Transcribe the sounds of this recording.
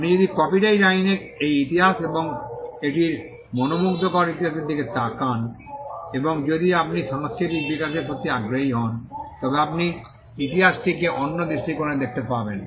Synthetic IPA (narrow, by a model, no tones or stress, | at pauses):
apnid͡ʑod̪ikɔpiʈajɾaine | ejit̪iɦaseboŋeʈiɾ | mɔnomukt̪okɔɾaɾit̪iɦaseɾd̪iket̪akan | eboŋd͡ʑod̪iapniʃaŋskɾit̪̬ik̚bikaɾʃeɾpot̪ːiaɡɾoɦiɦɔnt̪ɔbeapni | it̪iɦasʈikeʔonːod̪iʃʈikoɾed̪ek̚ʰt̪epaben